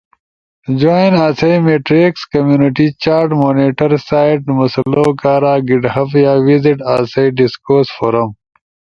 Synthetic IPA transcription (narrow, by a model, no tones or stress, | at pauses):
d͡ʑoːinaːsɐjmeʈɾekskɐmjuːniʈit͡ɕaːɾʈmoːneʈɐɾsaːjʈmɐslokaːɾaːɡiɖhɐfjaːʋiziʈaːsɐjɖiskoːsfoːɾɐm